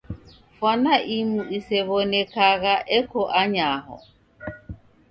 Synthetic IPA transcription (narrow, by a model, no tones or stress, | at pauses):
fwanaʔimuisɛβɔnɛkaɣaʔɛkɔʔaɲaɦɔ̰